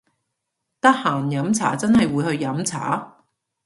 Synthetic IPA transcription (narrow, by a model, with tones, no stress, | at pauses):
t̪ɐ˥k̚haː˨˩njɐ˨˥mt͡sʰa̰ː˨˥t͡sɐ˥nhɐ˨jwuː˨˧jhɵ˧ɥjɐ˨˥mt͡sʰa̰ː˨˥